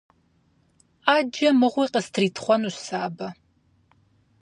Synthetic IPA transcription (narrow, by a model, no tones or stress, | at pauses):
aːd͡ʒɐmɨʁʷiːqəstʰriːtʰχʷɔnuɕsaːbɐ